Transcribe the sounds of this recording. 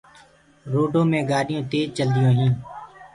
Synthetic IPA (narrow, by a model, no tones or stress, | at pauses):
ɾoːɖʱõːmẽːɡaːɗɪjõːt̪eːd͡ʒt͡ʃəld̪ɪjõːɦĩː